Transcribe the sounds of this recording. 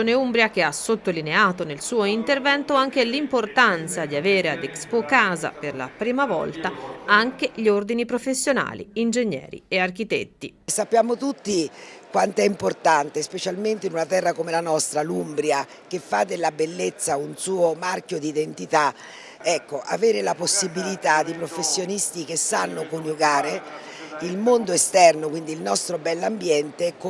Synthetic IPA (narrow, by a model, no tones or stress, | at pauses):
oːneumbɾjak̟easot̪ːolineaːt̪onelsuːoint̪ervɛnt̪oaŋk̟elimport̪ant̪sad̪iaveːɾead̪ekspokaːza̰perla̰pɾiːmavɔ̰lt̪aaŋk̟eʎiord̪inipɾofesːjona̰ːlḭind͡ʒeɲːɛ̰ːɾḭeark̟it̪ḛt̪ːi | sapːjaːmot̪ut̪ːikwant̪oɛimport̪ant̪espet͡ʃalment̪einunat̪ɛrːakomelanɔst̪ɾalumbɾja | k̟efːad̪ːelːabelːet̪sːaunsuːomarkjod̪iːd̪ent̪it̪a | ɛkːoʔa̰veːɾelaposːibilit̪ad̪ipɾofesːjonist̪ik̟esːanːokonjuɡaːɾe | ilmond̪oest̪ɛrnokwind̪iːlnɔst̪ɾobɛlːambjɛnt̪ek